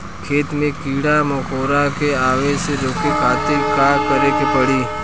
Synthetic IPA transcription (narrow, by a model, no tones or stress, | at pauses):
kʰeːt̪mẽkiɽaməkoɾakeaʋeseɾokekʰaːt̪ɪɾkakəɾekepəɽiː